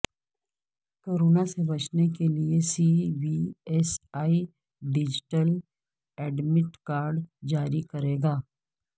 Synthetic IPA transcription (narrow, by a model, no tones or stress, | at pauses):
koːɾoːnasebɐt͡ʃnekeliesiʋiɛsaːi | ɖɪd͡ʒɪʈəl | ɛːɖmɪʈkaːɾɖd͡ʒaːɾikɐɾeːɡaː